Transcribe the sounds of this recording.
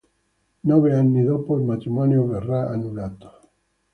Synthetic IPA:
nɔβeanːid̪opoilmat̪ɾimɔnjoverːaa̰nulat̪o̥

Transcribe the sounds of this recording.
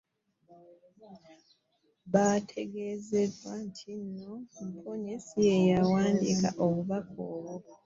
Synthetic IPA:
βatʰe̞ɡe̞ːze̞dwantʰinːo̞m̩pʰoɲesije̞jawaːndḭka̰ʔo̞βuβakʰoːβo

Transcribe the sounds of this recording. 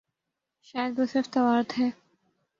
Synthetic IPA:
ʃaːjəd̪t̪osɪɾft̪ɐʋaːɾt̪ɦɛː

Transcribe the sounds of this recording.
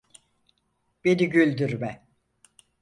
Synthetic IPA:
b̥ed̪iɟylʲd̪yɾmɛ

